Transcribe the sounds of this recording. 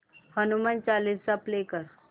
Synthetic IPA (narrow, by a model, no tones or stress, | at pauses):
hənumant͡ʃalissaplekəɾ